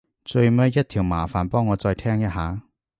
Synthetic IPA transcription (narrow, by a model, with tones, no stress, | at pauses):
t͡sɵ˧ɥmɐ˥jɐ˥t̪̚ʰiː˨˩wmaː˨˩faː˨˩npɔː˥ŋːɔː˨˧t͡sɔː˧jt̪ʰɛː˥ŋjɐ˥t̚ɦaː˨˥